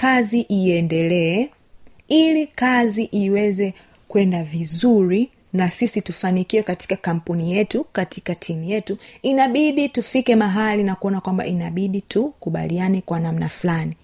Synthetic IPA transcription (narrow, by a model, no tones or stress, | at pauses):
kaziʔiɛndɛlɛɛ | ilikaziʔiwɛzɛ | kwɛndavizuɾi | nasisitufanikiɛkati̥kakam̩punijɛtukati̥katʰimujɛtuinaɓiɗitufikɛmaɦalinakuɔnakwamba̰ʔinaɓiɗitʰukuɓa̰lianɛkwanamnaflani